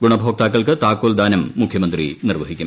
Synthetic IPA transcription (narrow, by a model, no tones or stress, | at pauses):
ɡuɳɐbʱoːk̚t̪aːk̬ːɐɭkɨt̪aːkːoːld̪aːnɐmːukʰjɐmɐnd̪rḭnirʋɐɦikʲːu